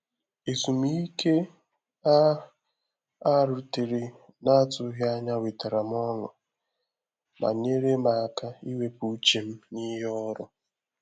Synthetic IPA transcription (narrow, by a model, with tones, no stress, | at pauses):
e˨zu˨mi˦i˦ke˦ | a˦ | a˦˨ɾu˨te˨ɾe˨ | na˦a˦tʊ˨˦ɦɪ˦a˦ɲa˦wi˨ta˨ɾa˨m˦ɔ˦nɔ̰˨ | ma̰˨ɲe˦ɾe˦ma˨ka˦i˦we˦pu˨˦t͡ʃe˨m̩˦ni˦ɦɔ˦ɾɔ˨